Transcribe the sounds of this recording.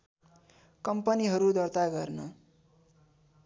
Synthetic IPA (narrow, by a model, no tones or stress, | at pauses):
kʌmpʌniɦʌɾud̪ʌrt̪aɡʌrnʌ